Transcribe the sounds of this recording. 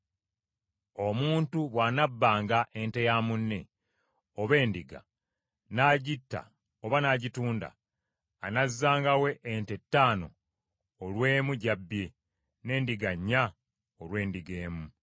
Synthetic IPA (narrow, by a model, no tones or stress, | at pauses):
omuːntuβwanabːaːŋɡaʔe̞nte̞jaːmunːe̞̰ | oβe̞ːndiɡa̰ | naːɟitːa̰ | oβanaɟituːnda̰ː | nazːaːŋɡawe̞ʔːnte̞tːaːno̞̰ː | lwe̞ːmuɟabːje | ne̞ːndiɡaɲːa | olwe̞ːndiɡe̞ːmu